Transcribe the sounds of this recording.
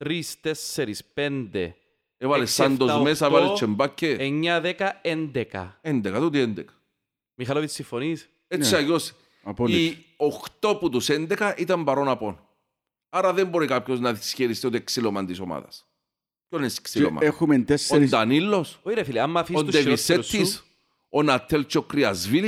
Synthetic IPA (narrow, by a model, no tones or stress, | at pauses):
t̪ɾist̪esːeɾispend̪ḛ | evɐlesɐnd̪ozmmesɐevɐlet͡ʃʰːembacːeeɲːɐðekɐend̪ekɐ̰end̪ekɐt̪ut̪iend̪ekɐ̥ | mixɐlovit̪siɱfonis | et͡ʃːiɐjos | poi | oxt̪o̞put̪usend̪ekɐʔit̪ɐmbɐɾonɐpon | aɾɐðemboɾikapçoznɐðisçeɾist̪iot̪ieksilomɐnt̪isoma̰ðɐ̰s | conesksilo̰mɐ̰exumend̪esnd̪ɐnilːosoiɾefiliamːɐfiosnd̪evisːet̪ːis | onɐt̪ʰːelt͡ʃːeokɾiɐzvili